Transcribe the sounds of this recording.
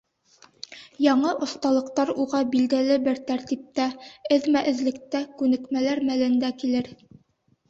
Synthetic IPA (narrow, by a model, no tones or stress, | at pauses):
jɑɴɤʔŏst̪ɑlˠɤ̆qt̪ɑɾuʁɑbild̪ælɘbɘɾt̪æɾt̪ip̚t̪æɘðmæʔɘ̆zlɘ̆k̚t̪ækʉnɘ̆kmælæɾmælɘ̆nd̪ækilɘɾ